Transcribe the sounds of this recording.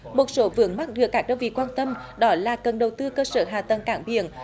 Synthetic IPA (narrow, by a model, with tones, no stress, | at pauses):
mo˨˩t̚so˨˦vɨ̰˨˧˦əŋma˦˥t̚ɗɨ˧˨˩əkːaː˦˥k̚ɗəː˧wvḭ˧˨kwaː˧nt̪ə˧mɗɔ˨˦laː˨˩kə˨˩nɗə˨˩wt̪ɨ˧kəː˧səː˧˩˦ɦaː˨˩t̪ə˨˩nkaː˧˩ŋɓḭ˧˨ən